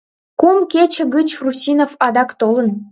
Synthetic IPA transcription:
kumket͡ɕə̆ɣət͡ɕrusʲinofɑd̪ɑkt̪olən

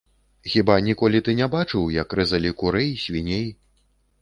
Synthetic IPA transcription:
xʲibanʲikɔlʲit̪ɨnʲɛbat͡ʂɨwjɐkrɨzɐlʲikuɾɛjisʲvʲinʲej

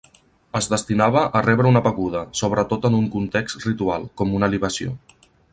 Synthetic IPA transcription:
əzðəst̪inaβ̞əʔːrɛβɾəunəβəɣuðəsoβ̞ɾət̪ot̪ənuŋkunt̪ekst̪rit̪ualˠkɔmunəliβəsio̰

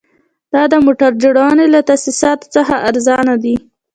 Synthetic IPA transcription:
d̪̥ɑd̪əmoʈaɾd͡ʒəɽɑnelat̪asisɑt̪o̥t͡səxaʔaɾzɑnad̪i

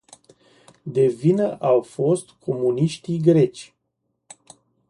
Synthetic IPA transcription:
d̪e̞vinəʔawfo̞st̪kʰo̞muniʃt̪iɡɾe̞t͡ʃʲ

